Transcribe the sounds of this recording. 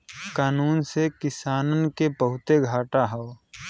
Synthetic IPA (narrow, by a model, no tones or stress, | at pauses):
kaːnuːnsekɪsaːnənkebəɦʊt̪eɡʱaːʈaɦəo